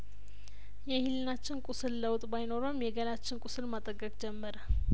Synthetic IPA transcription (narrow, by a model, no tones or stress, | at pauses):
jɛhilːɨnat͡ʃːɪnkʼusɨlləwt̪ʼbajno̞ɾəmjɛɡəlat͡ʃːɪnkʼʊsɨlmat̪ʼəɡːəkʼd͡ʒɛmːəɾə